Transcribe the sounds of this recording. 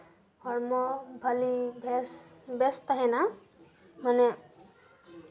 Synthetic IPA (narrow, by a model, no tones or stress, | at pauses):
hɔɹmɔbʱalibʱsbɛst̪aɦɛna | manɛ